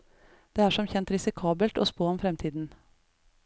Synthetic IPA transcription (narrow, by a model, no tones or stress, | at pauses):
d̪̥eːæːʂɔmçɛnt̪ɾɪsɪkʰɑːbəlt̪oːspoːɔmfɾɛmt̪ʰiːd̪n̩